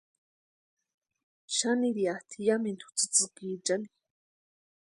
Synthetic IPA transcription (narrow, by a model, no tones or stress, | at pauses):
ʃaniɾiat̪ʰijamint̪ʰu̥t͡sɨ̥t͡sɨkiʈ͡ʂani̥